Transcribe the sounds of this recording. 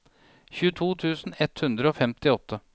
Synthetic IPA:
çʉːət̪ʰuːt̪ʰʉːsn̩ɛt̪hʉnd̪ɾəoːfɛmt̪ɪɔt̪ʰːə

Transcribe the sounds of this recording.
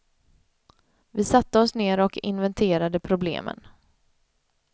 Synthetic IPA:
vɪsat̪ːəɔsneːɾɔkɪ̰nvɛnt̪ʰeːɾad̪əpʰɾʊblḛːmə̰n

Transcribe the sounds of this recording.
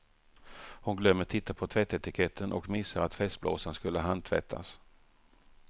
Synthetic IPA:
hʊnɡlœmːəʈʰɪt̪ːapʰɔt̪ʰvɛt̪ːɛt̪ɪkʰɛt̪ʰːənʔɔkmɪsːaɾat̪fɛst̪̚blo̰ːsənskɵlːəɦand̪̚t̪ʰvɛ̰t̪ʰːa̰s

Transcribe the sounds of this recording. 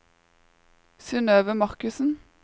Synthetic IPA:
siːnøːʋəmɑʁkʉsn̩

